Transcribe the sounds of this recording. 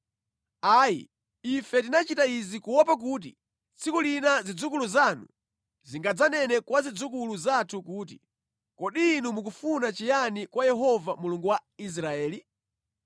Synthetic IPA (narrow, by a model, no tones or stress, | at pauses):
aːjḭ | ifɛtinat͡ʃitaizikuwɔpak̬uːt̬ḭ | t͡sʰikulinazid͡zuk̬uluzanṵ | ziŋɡad͡zanɛnɛkwazid͡zuk̬uluzatʰukuːt̬i | kɔɗiːnumuk̬ufunat͡ʃijanikwajɛɦɔvamuluŋɡuwais̬ɾaɛːli